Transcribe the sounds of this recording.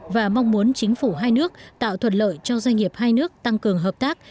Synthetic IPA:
vaː˨˩ma˧wŋ͡mmu˨˦ənt͡ɕï˨˦ŋ̟fu˧˩ɦaː˧jnɨ˦˥ək̚t̪a̰ː˧˨wt̪ʰwə˨˩t̚lə̰ː˧˨jt͡ɕɔ˧zwa˧jŋ̟ŋi˨˩əp̚haː˧jnɨ˦˥ək̚t̪a˧ŋkɨ˨˩əŋɦəː˨˩p̚t̪aː˦˥k̚

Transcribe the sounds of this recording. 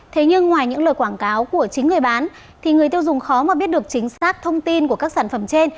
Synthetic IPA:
t̪ʰe˨˦ɲɨ˧ŋːwaː˨˩jɲɨ̰˧˥ŋləː˨˩jkwaː˧˩nkaː˨˦wku˧˩ət͡ɕï˨˦ŋ̟ŋɨ˨˩əjɓaː˨˦n | t̪ʰi˨˩ŋɨ˨˩əjt̪i˧əwzʊ˨˩ŋ͡mxɔ˨˦maː˨˩ɓi˦˥ət̚ɗɨ˨˩ək̚t͡ɕï˨˦ŋ̟saː˦˥k̚t̪ʰə˧wŋ͡mt̪i˧nku˧˩əkaː˦˥k̚saː˧˩nfə˧˩mt͡ɕe˧n

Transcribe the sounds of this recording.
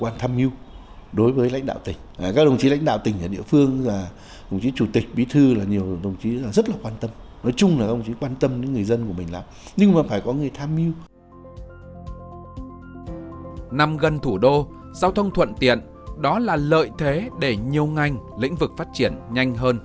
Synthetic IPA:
kwaː˧nt̪ʰaː˧mʔi˧w | ɗo˨˦jvəː˨˦jla̰˧˥jŋ̟ɗa̰ː˧˨t̪ï˨˩ŋ̟ː˨˩kaː˦˥k̚ɗə˧˩wŋ͡mt͡ɕi˨˦la̰˧˥jŋ̟ɗa̰ː˧˨wt̪ï˨˩ŋ̟ʔa̰ː˨˩ɗḭ˧˨əfɨ˧əŋzaː˨˩ | ɗə˧˩wŋ͡mt͡ɕi˨˦t͡ɕu˧˩t̪ï˨˩k̟̚ɓi˨˦t̪ʰɨ˧laː˨˩ɲi˨˩əwɗə˨˩wŋ͡mt͡ɕi˨˦aː˨˩zə˦˥t̚laː˨˩kwaː˧nt̪ə˧m | nɔ˨˦jt͡ɕʊ˧ŋ͡mlaː˨˩xə˧wŋ͡mt͡ɕi˨˦kwaː˧nt̪ə˧mɗi˨˧˦ŋɨ˨˩əjzə˧nku˧˩əmï˨˩ŋ̟laː˨˩mɲɨ˧ŋmaː˨˩faː˧˩jkɔ˨˦ŋɨ˨˩əjt̪ʰaː˧mʔi˧əw | na˨˩mɣə˨˩nt̪ʰu˧˩ɗo˧ | zaː˧wt̪ʰə˧wŋ͡mt̪ʰwə̰˧˨nt̪ḭ˧˨ən | ɗɔ˨˦laː˨˩lə̰ː˧˨jt̪ʰe˨˦ɗe˧˩ɲi˨˩əwŋa˨˩jŋ̟lḭ̈˧˥ŋ̟vɨ˨˩k̚faː˦˥t̚t͡ɕi˧˩ənɲa˧jŋ̟ɦəː˧n

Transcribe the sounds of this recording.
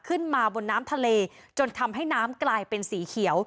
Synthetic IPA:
kʰɯ˥˩nmaː˧bo˧nːaː˦˥mt̪ʰa˧leː˧t͡ɕo˧nt̪ʰa˧mɦa˥˩jnaː˦˥mklaː˧jpe˧nsiː˩˦kʰi˩˦əw

